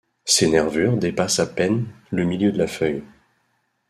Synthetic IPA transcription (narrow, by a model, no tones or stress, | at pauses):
senɛʁvyʁd̪epasapɛn | ləmiljød̪əlafœj